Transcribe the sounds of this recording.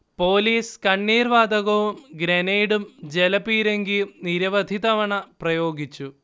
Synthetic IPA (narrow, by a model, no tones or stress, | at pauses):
po̞ːliːskɐɳːiːrʋaːd̪ɐɣɐʋumɡɾɐnejɽumd͡ʑelɐpiːɾeŋɡijumniɾɐʋɐd̪ʱid̪ɐʋɐɳɐprɐjo̞ːɡit͡ɕːu